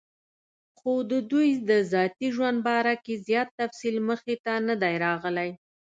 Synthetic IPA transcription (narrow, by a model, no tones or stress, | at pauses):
xod̪əd̪ujd̪əzɑt̪iʒwand̪̚bɑɾakezjɑt̪ːafsilməxet̪anəd̪ajɾɑɣəlaj